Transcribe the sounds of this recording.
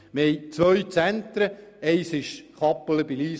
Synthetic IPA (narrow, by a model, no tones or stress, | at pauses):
məhɛɪt͡sʋœɥt͡sænt̪ɾəɛɪsɪʃχɑpːələbiliːs